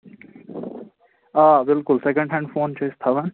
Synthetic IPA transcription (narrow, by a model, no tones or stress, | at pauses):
abɪlkʊlsekə̃ɳɖɦɛ̃ɳɖfoːnt͡ʃʰest̪ʰɐʋən